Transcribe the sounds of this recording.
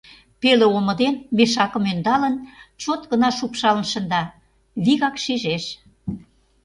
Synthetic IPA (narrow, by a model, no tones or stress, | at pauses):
peleomə̆d̪enmeʃɑkə̆mønd̪ɑlə̆nt͡ɕot̪ɣənɑʃupʃɑlə̆nʃə̆nd̪ɑ | βiɣɑkʃiʒeʃ